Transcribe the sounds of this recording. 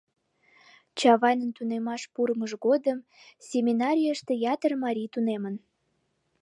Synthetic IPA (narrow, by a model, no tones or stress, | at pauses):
t͡ɕɑβɑjnənt̪unemɑʃpuɾəməʒɣod̪əm | sʲemʲinɑɾʲijəʃt̪ejɑt̪ərmɑɾʲijt̪unemən